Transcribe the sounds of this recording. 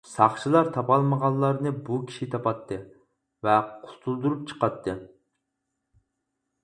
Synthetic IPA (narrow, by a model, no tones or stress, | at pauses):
sɑχʃilˠɑɾt̪ʰɑpɑlˠməʁɑlˠːɑɾnɨbukʲʰi̥ʃit̪ʰɑpɑt̪ʰːɨ | vɛqʰʊt̪ʰulˠd̪uɾup̚t͡ʃʰə̥qɑt̪ʰːɨ